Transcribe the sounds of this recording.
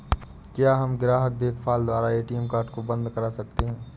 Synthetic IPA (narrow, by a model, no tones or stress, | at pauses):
kjaɦɐmɡɪɾaːɦək̪̚d̪eːt̪fʰaːld̪waːɾaeːʈiɛːmkaːɾʈkobɐ̃nd̪kɐɾasɐk̚t̪eɦɛ̃ː